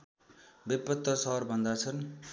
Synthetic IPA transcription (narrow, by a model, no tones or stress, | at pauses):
bepːʌt̪ːʌsʌɦʌɾbʱʌnd̪at͡sʰʌn